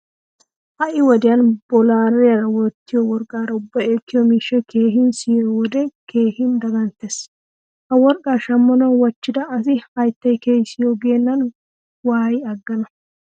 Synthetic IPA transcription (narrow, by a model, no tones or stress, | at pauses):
ʔɐʔɪwɔd̪ɪjɐnbɔlaːɾɛjɐɾɐwɔt̪ːɪjɔwɔɾkʼːaːɾɐʊbːɐeːkːɪjɔmiːʃːɛkʰeːhɪnsiːɾɔwɔd̪ɛkʰe̞ːhɪnd̪ɐɡɐnt̪ːes | hɐwɔɾkʼːaːʃɐmːɐnɐwwɐt͡ʃːɪd̪ɐːsɪhɐjt̪ːɐjkeːjsɪjɔɡeːnːɐn | waːjɪɐɡːɐnɐ